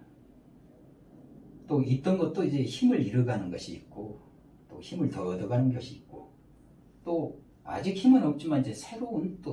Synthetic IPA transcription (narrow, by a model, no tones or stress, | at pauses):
t͈oit̚t͈ʌnɡʌt̚t͈oid͡ʑe̞çimɯɭiɾɯɡanɯnɡʌɕʰiːk̚k͈o | t͈o̰çimɯɭtʌːdʌɡanɯnɡʌɕʰiːt̚k͈o̰ | t͈o | a̰d͡ʑik̚çimɯnʌp̚t͡ɕ͈imanid͡ʑe̞sʰe̞ɾount͈o